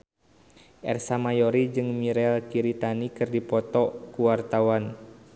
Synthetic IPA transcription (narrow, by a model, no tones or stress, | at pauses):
ʔɛ̰rsamajɔɾid͡ʒɨŋmiɾɛlkiɾit̪anikɨrdipɔt̪ɔkuwart̪awan